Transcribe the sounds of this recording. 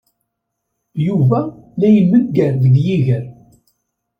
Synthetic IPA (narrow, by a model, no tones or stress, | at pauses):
juvælæjəmːəɡːænðɡjiʝəɾ